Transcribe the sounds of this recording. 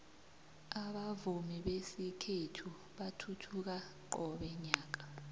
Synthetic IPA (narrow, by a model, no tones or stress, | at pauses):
aɓavumiɓesikʰetʰu | ɓatʰutʰuk̬aǃɔɓɛɲaːk̬ḁ